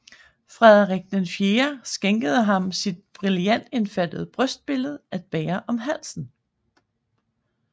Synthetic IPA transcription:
fʁɛðˠʁeɡ̥̚nenfjeːɐsɡ̥eŋɡ̥əð̞̩ˠəɦɑ̈msid̥̚b̥ʁiljæn̰d̥e̝nfæd̥əð̞ˠəb̥ʁœsd̥̚b̥e̝ləð̞̩ˠʔæd̥̚b̥ɛːɐʔɒ̽mɦæl̰sn̩

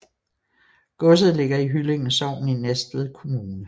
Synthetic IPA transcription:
ɡ̥ɔ̽s̬ð̞̩ˠle̝ɡ̥ɐiɦyle̝ŋn̩sɒʊ̰n̩inesd̥ð̩ˠkʰo̝muːnə

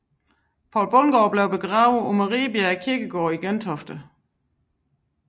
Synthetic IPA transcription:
pʰɒ̰lb̥ɔnɡ̥ɒːb̥le̝ʊb̥e̝ɡ̥ʁɑ̈ːʊð̩ˠɒmɑʁḭːbiæækʰiɐɡ̥əɡ̥ɒːiɡ̥ent͡sʰɒ̽fd̥ə

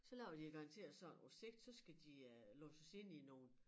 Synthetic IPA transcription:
sɒ̽læʊɐd̥iɡ̥ɑ̈ɑ̈nt͡sʰe̝̰ːɐsɒ̽nose̝ɡ̥̚d̥sɒ̽sɡ̥æd̥ilɔ̰ːsɒse̝n̰ino̝ːn̩

